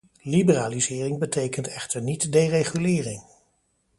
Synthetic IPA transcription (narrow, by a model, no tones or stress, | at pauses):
libəraːlizɪːrɪŋbətejkəntɛχtəɹnitdejreχylɪːrɪŋ